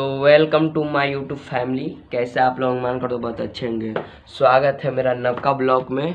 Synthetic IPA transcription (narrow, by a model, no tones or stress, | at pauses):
t̪oːʋɛlkəmʈumaɪjuːʈufʰɛːmlikɛːseaːplonmaːnkɐɾd̪obɔːt̪ɐtːʃʰeɦʊ̃ŋɡe | swaːɡət̪ɦɛmeːɾanɐkːablɔːkmẽ